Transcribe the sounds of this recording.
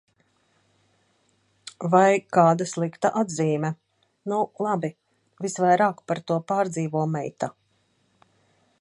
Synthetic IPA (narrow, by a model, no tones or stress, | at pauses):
vajkaːd̪aslˠikt̪aʔad̪ziːmʲɛ | nulˠabi | visvajɾaːkpaɾt̪uɔpaːɾd̪ziːvuɔmɛ̰jt̪a